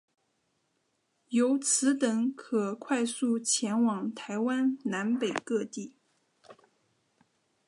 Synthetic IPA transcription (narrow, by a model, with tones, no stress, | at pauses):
jo˧˥ʊt͡sʰɹ̩˧˥t̪ɤ˧˥ŋkʰɤ˨˩kʰwa˥˧ɪsu˥˩t͡ɕʰjɛ˧˥nwɑ˨˩ŋt̪ʰa˧˥ɪwa˥nna˧˥npe˨˩ɪkɤ˥˧t̪i˥˩